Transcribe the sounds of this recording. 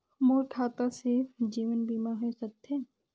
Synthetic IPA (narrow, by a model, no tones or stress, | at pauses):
moːɾkʰaːt̪ased͡ʒiːʋənbiːmaɦeːsək̚t̪ʰe